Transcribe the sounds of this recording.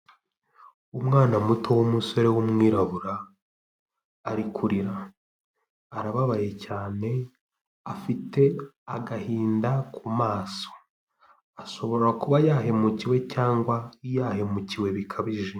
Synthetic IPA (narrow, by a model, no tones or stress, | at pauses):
umŋaːnamutʰo̞womuso̞ɾe̞wumŋiːɾaβuɾa | ɾikʰuɾiɾa | aɾaβaβaje̞caːne̞ | afitʰe̞ | aɡahiːndakʰumaːso̞̥ | aʃo̞βo̞ɾɾakuβajaːɦe̞muciwe̞caːŋɡwaijaːhe̞muciwe̞βikʰaβiʒe̞